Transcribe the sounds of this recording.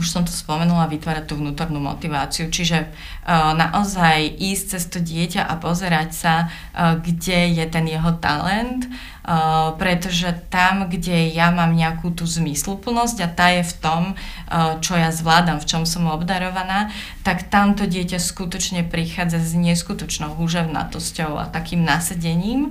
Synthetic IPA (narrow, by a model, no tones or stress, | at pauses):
uʃsɔmt̪ɔ̥spɔmɛnulaʋit̪ʋaːɾac̚t̪uːʋnuːt̪ɔɾnuːmɔ̰t̪iʋa̰ːt͡siut͡ʃiʒɛ | na̰ʔɔzajʔiːsc̚t͡sɛst̪ɔɟɪɛcaʔapɔzɛɾacsa | ɡɟɛjɛt̪ɛnjɛɦɔt̪a̰lɛnt̪ | pɾɛt̪ɔʒɛt̪amɡɟɛjamaːmɲɛakuːt̪uːzmislupl̩nɔzɟat̪aːjɛft̪ɔm | t͡ʃɔjazʋlaːd̪amft͡ʃɔmsɔmɔbd̪aɾɔʋanaː | t̪akt̪amt̪ɔɟɪɛcaskut̪ɔt͡ʃɲɛpɾixaːd͡zazɲɪɛskut̪ɔt͡ʃnɔʊɦuʒɛʊna̰t̪ɔscɔʊa̰t̪akiːmnasaɟɛɲiːm